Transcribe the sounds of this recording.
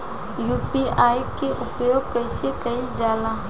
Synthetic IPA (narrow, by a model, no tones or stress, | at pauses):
juːpiaːjkeʔʊpjoːɡ̚kəɪsekɐid͡ʒaːla